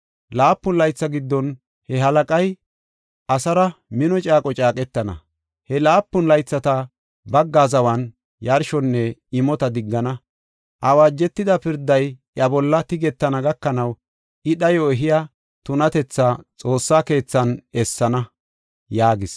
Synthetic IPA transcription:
laːpːʊnlɐjt͡sːɐɡɪd̪ːɔn | hɛɦɐlɐkʼɐj | ʔɐsɐɾɐmɪnɔt͡ʃʼaːkʼɔt͡ʃʼaːkʼɛt̪ːɐnɐ̰ | hɛlaːpːʊnlɐjt͡sːɐt̪ɐ | bɐɡːaːzɐwɐn | jɐɾʃɔnːɛɪmɔt̪ɐd̪ɪɡːɐnɐ | ʔɐwaːd͡ʒːɛt̪ːɪd̪ɐpɪɾd̪ːɐjʔɐbɔlːɐt̪ɪɡɛt̪ːɐnɐɡɐkːɐnɐw | ɪɗɐjoːɛɦɪja | t̪ʊnɐt̪ɛt͡sːaːt͡sʼo̞ːsːaːke̞ːt͡sːɐnɛsːɐnɐ | jaːɡɪs

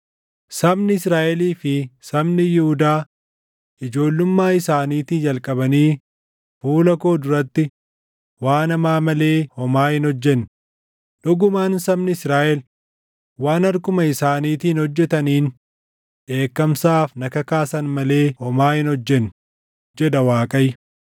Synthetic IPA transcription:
sɐbnɪɪsɾaːʔɛliːfɪsɐbnɪjɪhʊd̪aː | ʔɪd͡ʒo̞ːlːʊmːaːɪsaːniːt̪iːnd͡ʒɐlkʼɐbɐniː | fuːlɐko̞ːd̪ʊɾɐt̪ːɪ | waːnɐmaːmɐle̞ːhɔmaːhɪnɔd͡ʒːɛnː | ᶑ̪ɔɡʊmaːnsɐbnɪɪsɾaːʔɛl | waːnɐɾkʊmɐɪsaːniːt̪iːnhɔd͡ʒːɛt̪ɐniːn | ᶑe̞ːkːɐmsaːfnɐkɐkaːsɐnmɐle̞ːhɔmaːhɪnhɔd͡ʒːɛn | d͡ʒɛd̪ɐwaːkʼɐj

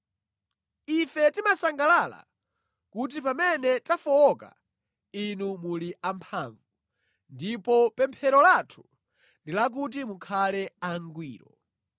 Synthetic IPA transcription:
ifɛtimasaŋɡalala̰ | kut̬ipamɛnɛtafɔɔka̰ | inumuliʔampʰaːɱvu | ndipɔpɛmpʰɛɾɔlatʰu̥ | ndilak̬ut̬imukʰalɛaŋɡwiːɾɔ

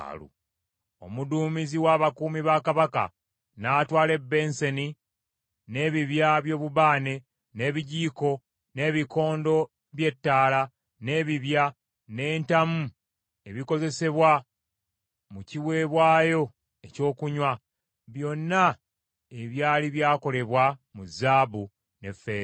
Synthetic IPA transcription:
lṵ | o̞̰muduːmiziwaːβakuːmiβakaβaka̰ | naːtwaːle̞bːe̞nse̞ni | ne̞ːβiβjaβjo̞ːβuβaːne̞ | ne̞ːβiɟiːko̞ | ne̞ːβiko̞ːndo̞ | βje̞tːaːla | ne̞ːβiβja | ne̞ːntamu | e̞βiko̞ze̞se̞βwa | muciwe̞ːβwaːjo̞ | e̞co̞ːkuɲwa | βjo̞nːa | e̞βjaːliβjaːko̞le̞βwamuzaːbu | ne̞fːe̞ːɾ

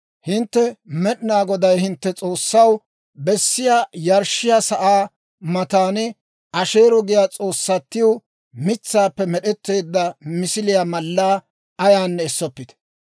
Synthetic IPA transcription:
hɪnt̪ːɛmɛɗɪnaːɡɔd̪ɐjhɪnt̪ːɛt͡sʼo̞ːsːɐw | bɛsːɪjaːjɐɾʃɪjasɐʔaː | mɐt̪aːnɛ | ʔɐʃe̞ːɾɔɡɪjaːt͡sʼo̞ːsːɐt̪ːɪjo | mɪt͡sːaːpːɛmɛɗɛt̪ːe̞ːd̪ːɐmɪsɪlɪjamɐlːaː | ɐjaːnːɛːsːɔpːɪt̪ɛ̥

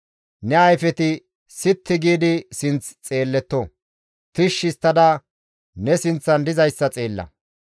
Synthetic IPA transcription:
nɛɐjfɛt̪ɪ | sɪt̪ːɪɡiːd̪ɪsɪnt͡st͡sʼe̞ːlːɛt̪ːɔ | t̪ɪʃːɪst̪ːɐd̪ɐ | nɛsɪnt͡sːɐnd̪ɪzɐjsːɐt͡sʼe̞ːlːɐ̰

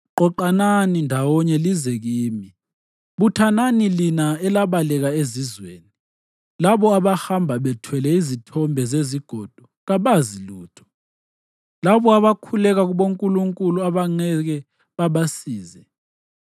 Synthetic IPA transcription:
ǃɔǃananindʱawɔɲɛlizɛɣ̬iːmi | ɓutʰananilinaɛlaɓalɛɣaezizweːni | laβɔaβahambʱaɓɛtʰwɛlɛizitʰɔmbʱɛzeziɡ̥ʱɔd̥ʱɔ | ɣaɓaziluːtʰɔ̥ | laβɔaβakʰulɛɣaɣ̬uɓoŋkʼuluŋkʼuluaβaŋ͡ǀɛɣ̬ɛ | ɓaɓasiːzɛ

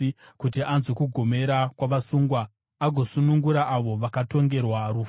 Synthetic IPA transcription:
kutiʔanzekuɡʱo̞me̞ɾakwaʋasuːŋɡwaː | ɡʱo̞sunuŋɡuɾaʔːʋo̞ʋakato̞ŋɡe̞rwaru

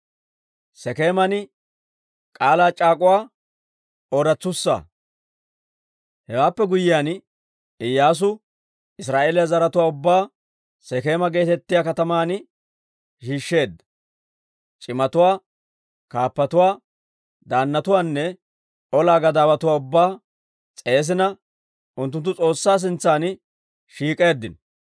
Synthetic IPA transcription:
sɛke̞ːmɐnɪ | kʼaːlaːt͡ʃʼaːkʼʊwaː | ɔɾɐt͡sːʊsːa̰ | hɛwaːpːɛɡʊjɪjaːn | ɪjːaːs̬ʊ | ɪs̬ɾaːʔeːlɪjazɐɾɐt̪ʊwaːʊbːaː | sɛke̞ːmɐɡe̞ːt̪ɛt̪ːɪjaːkɐt̪ɐmaːn | ʃiːʃːe̞ːd̪ːɐ | t͡ʃʼɪmɐt̪ʊwaː | kaːpːɐt̪ʊwaː | d̪aːnːɐt̪ʊwaːnːɛ | ɔlaːɡɐd̪aːbɐt̪ʊwaːʊbːaː | t͡sʼe̞ːs̬ɪnɐ | ʔʊnt̪ːʊnt̪ːʊt͡sʼo̞ːsːaːs̬ɪnt͡sːaːn | ʃiːkʼe̞ːd̪ːɪ̰n

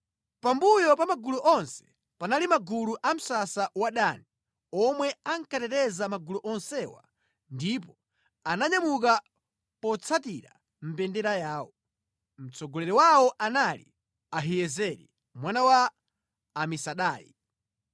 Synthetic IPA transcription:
pambujɔpamaɡuluʔɔnsɛ̥ | panalimaɡuluʔam̩sasawaɗani | ɔmwɛaŋkatɛɾɛzamaɡuluʔɔnsɛwa̰ | ndip̬ɔ | anaɲamuk̬a | pɔt͡sʰatiɾa̰ | m̩pɛndɛɾajaːwɔ | m̩t͡sɔɡɔlɛɾɛwawɔʔanalḭ | aɦijɛzɛɾḭ | mwanawaː | misaɗaːjḭ

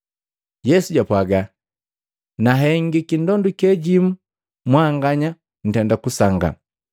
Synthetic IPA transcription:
jɛsuɟapwaɡa | naɦɛŋɡikindɔndukɛɟimu | mwaŋɡaɲa | n̩tɛndakusaŋɡa̰

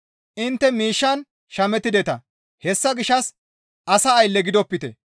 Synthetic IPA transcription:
ʔɪnt̪ːɛmiːʃːɐn | ʃɐmɛt̪ːɪd̪ɛt̪ɐ | hɛsːɐɡɪʃːɐs | ʔɐsɐːjlːɛɡɪd̪ɔpːɪt̪ɛ̰

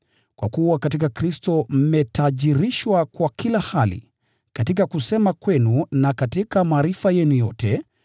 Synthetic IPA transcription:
kwa̰kuwakatikakɾistɔm̩mɛtaʄiɾiʃwakwakilahalḭ | katikakusɛmakwɛnunakatikamaːɾifajɛnujɔtɛ

